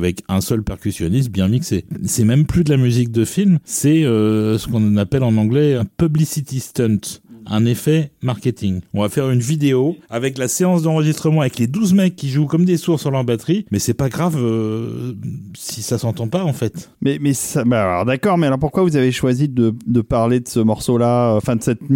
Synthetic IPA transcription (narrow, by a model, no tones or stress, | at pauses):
avɛkɛ̃sœlpɛʁkʲysjɔnis̬t̪̚bjɛ̃miksesɛmɛmplyd̪əlamyzik̚d̪əfilmsɛøsə̥kɔ̃napɛlɑ̃nɑ̃ɡlɛɛ̃pyblisit̪ist̪ɛ̃nt̪ɛ̃nefɛmaʁkʲet̪iŋɔ̃vafɛʁynvid̪eoavɛklaseɑ̃sd̪ɑ̃ʁəʒist̪χəmɑ̃avɛkled̪uzmɛkʲːiʒukɔmd̪esuʁsyʁlɑʁbat̪χimɛsɛpaɡʁavø | sisasɑ̃t̪ɑ̃paɑ̃fɛt̪ | mɛmɛssabalɔ̰ʁd̪akɔʁmɛalɔʁpuʁkwavuzaveʃwazid̪əd̪əpaʁled̪əsəmɔʁsolaøɑ̃fɛ̃d̪əsɛt̪